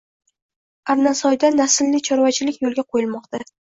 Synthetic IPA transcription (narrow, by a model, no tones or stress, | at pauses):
aɾnasɒjd̪anasɪlːɪt͡ʃʰɒɾvat͡ʃʰɪlɪkʲjolˠɡʲaqʰojɪlmɒqt̪ʰa